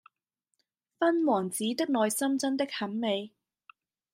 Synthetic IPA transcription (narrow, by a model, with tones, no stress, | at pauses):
fɐ˥nwɔː˨˩ŋt͡siː˨˥t̪ɪ˥k̚lɔː˨˧jsɐ˥mt͡sɐ˥nt̪ɪ˥k̚hɐ˨˥nme˨˧j